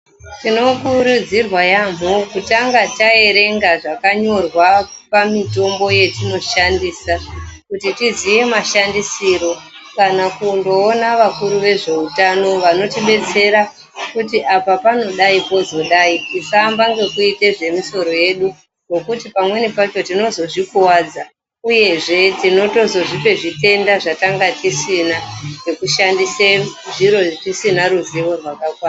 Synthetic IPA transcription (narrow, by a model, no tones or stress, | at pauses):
tino̞kuɾud͡zirwajam̤okutaŋɡatae̞ɾe̞ŋɡaʐakaɲo̞rwapamito̞mbo̞je̞tino̞ʃandiːsakutitizijemaʃandisiɾo̞kanakundo̞ːnaʋakuɾuʋe̞ʐe̞utano̞ʋano̞tiɓe̞t͡se̞ɾa | kutiʔapapano̞ɗaipo̞zo̞ɗaitisambaŋɡe̞kuite̞ʐe̞miso̞ɾo̞je̞ɗu | no̞kutipamwe̞nipat͡ʃo̞tino̞zo̞ʐikuwaːd͡za | uje̞ʐe̞tino̞to̞zo̞ʐipe̞ʐite̞ndaʐataŋɡatisinaʐe̞kuʃandiseʐiɾo̞ʐitisinaɾuziʋo̞rwakakwaːa